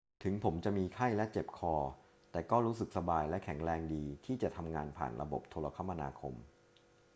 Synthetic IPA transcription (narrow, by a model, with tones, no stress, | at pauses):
t̪ʰɯ˩˦ŋpʰo˩˦mt͡ɕa˨˩miː˧kʰa˥˩jlɛ˦˥t͡ɕe˨˩p̚kʰɔː˧ | t̪ɛː˨˩kɔː˥˩ɾuː˦˥sɯ˨˩k̚sa˧baː˧jlɛ˦˥kʰɛ˩˦ŋɾɛː˧ŋdiː˧t̪ʰiː˥˩t͡ɕa˨˩t̪ʰa˧mŋaː˧npʰa̰ː˨˩nɾa̰˧bo̰˨˩p̚t̪ʰoː˧la˧kʰa˦˥ma˧na̰ː˧kʰo̰˧m